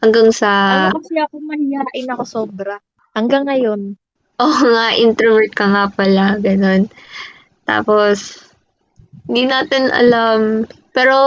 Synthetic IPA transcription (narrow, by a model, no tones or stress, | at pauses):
hɐŋɡaŋsɐɐsjakomɐhɪjaʔɐjnɐkosoːbɾɐ | hɐŋɡaŋːɐjon | ʔoŋaʔɪnt̪ɾovɛɹt̪̚kɐŋapɐlaɡɐno̞n | t̪a̰ːpo̞s | hɪnd̪inaːt̪ɪnʔɐ̰lampɛːɾo̞